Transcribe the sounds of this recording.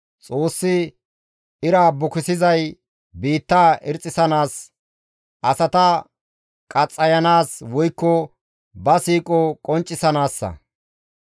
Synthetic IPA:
t͡sʼo̞ːsːɪ | ɪɾaːbʊkɪsɪzɐj | biːt̪ːaːʔɪɾt͡sʼːɪsɐnaːs | ʔɐsɐt̪ɐ | kʼɐt͡sʼːɐjɐnaːswɔjkːɔ | bɐsiːkʼɔkʼɔnt͡ʃʼːɪsɐnaːsːɐ̰

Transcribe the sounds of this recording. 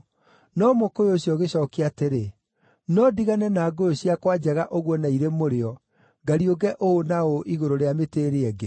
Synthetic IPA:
nɔmokojeoɕjɔɣeɕɔːkeateɾe | nɔdiɣanɛnaːɡojoɕiakwad͡ʑɛɣaʔoɣwɔnaiɾemoɾeɔ | ɡaɾioɡɛʔoonaoʔiɣoɾoɾeameteɾeɛɡe

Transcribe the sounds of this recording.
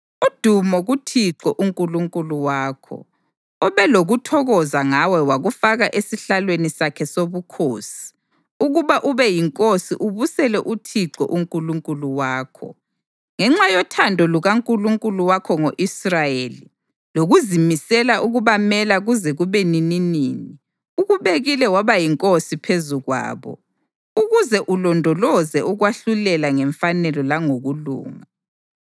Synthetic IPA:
ud̥ʱumɔɣutʰiǁɔʔuŋkʼuluŋkʼuluwaːkʰɔ̰ | ɔβɛloɣutʰɔɣɔzaŋawɛwaɣufaɣaʔesiɬalwenisakʰɛsoβukʰoːsi̥ | uɣuβaʔuβɛjiŋkʼosiʔuβusɛlɛʔutʰiǁɔ̰ʔuŋkʼuluŋkʼuluwaːkʰɔ̰ | ŋɛŋ͡ǁajɔtʰandʱɔluɣaŋkʼuluŋkʼuluwakʰɔŋoʔisrajeli | loɣuzimisɛlaʔuɣuβamɛlaɣuzɛɣuβenininiːni | uɣuβeɣilɛwaβajiŋkʼosipʰezuɣwa̰ːβɔ̰ | uɣuzɛʔulɔndʱɔlɔzɛʔuɣwaɬulɛlaŋɛɱfanɛlɔlaŋoɣulṵːŋa

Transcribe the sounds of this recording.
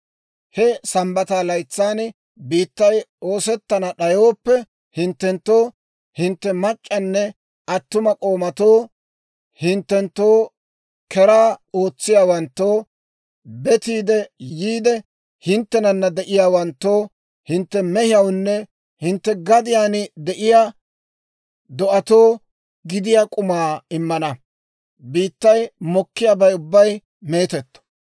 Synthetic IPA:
hɛsɐmbɐt̪aːlɐjt͡sːaːn | biːt̪ːɐjo̞ːsɛt̪ːɐnɐɗɐjo̞ːpːɛ | hɪnt̪ːɛnt̪ːo̞ː | hɪnt̪ːɛmɐt͡ʃʼːɐnːɛ | ʔɐt̪ːʊmɐkʼo̞ːmɐt̪oː | hɪnt̪ːɛnt̪ːoː | kɛɾaːo̞ːt͡sːɪjaːwɐnt̪ːoː | bɛt̪iːd̪ɛjiːd̪ɛ | hɪnt̪ːɛnɐnːɐd̪ɛʔɪjaːwɐnt̪ːo̞ː | hɪnt̪ːɛmɛhɪjɐwnːɛ | hɪnt̪ːɛɡɐd̪ɪjaːnɪd̪ɛʔɪjaː | d̪ɔʔɐt̪o̞ː | ɡɪd̪ɪjaːkʼʊmaːɪmːɐnɐ | biːt̪ːɐjmɔkːɪjaːbɐjʊbːɐj | me̞ːt̪ɛt̪ːɔ̥

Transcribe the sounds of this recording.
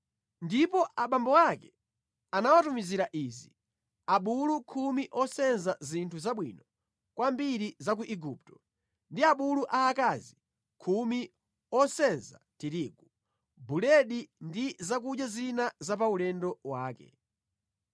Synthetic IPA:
ndipɔʔaɓambɔwakɛ | anawatumiziɾaʔiːzi | aɓulukʰumiʔɔsɛnzazintʰuzaɓwḭnɔ | kwambiɾizak̬uʔiɡup̚tɔ̥ | ndiaɓuluʔaːkazi | kʰumi | ɔsɛnza̰tiɾiɡu | bulɛɗindizak̬ud͡ʒjazinazap̬aulɛndɔwaːkɛ̰

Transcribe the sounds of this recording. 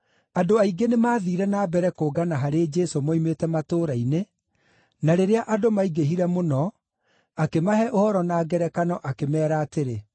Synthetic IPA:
adoaiɡenemaːðiːɾɛnaːbɛɾɛkoːɡanaɦaɾed͡ʒɛsomɔimetɛmatoːɾaine | naɾeɾeaʔadomaiɡeɦiɾɛmonɔ | akemahɛʔohɔɾɔnaːɡɛɾɛkanɔʔakemɛːɾaːteɾe

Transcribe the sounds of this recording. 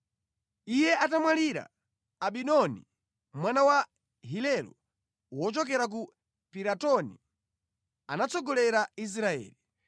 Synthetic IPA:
ijɛat̬amwaliɾa̰ː | ɓinɔnḭ | mwanawa | ɦilɛlu | wɔt͡ʃɔk̬ɛɾak̬u | piɾatɔni | a̰nat͡sɔɡɔlɛɾais̬ɾaɛ̰ːli

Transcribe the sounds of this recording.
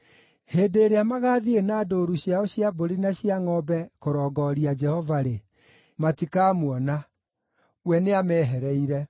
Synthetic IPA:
heːdeːɾeamaɣaːðienaːdoɾuɕjaɔɕjaboɾenaɕiaŋɔbɛkoɾɔːɡɔɾiad͡ʒɛhɔvaɾe | matikaːmwɔna | wɛneamɛɦɛɾɛiɾɛ

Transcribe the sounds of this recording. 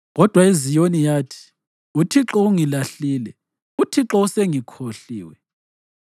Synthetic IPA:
ɣɔd̥ʱwaizijonijaːtʰi̥ | utʰiǁɔuŋilaɬiːlɛ | utʰiǁɔuseŋikʰoɬḭːwɛ

